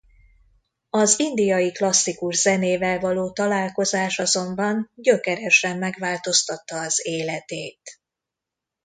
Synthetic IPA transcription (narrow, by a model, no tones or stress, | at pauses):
ɒzind̪ijɒjiklɒsːikuʒz̥ɛneːvɛlvɒloːt̪ɒlaːlko̞zaːʃɒzo̞mbɒnɟøkɛɾɛʃɛmːɛɡʋaːlt̪o̞st̪ɒt̪ːɒːzeːlɛt̪eːt̪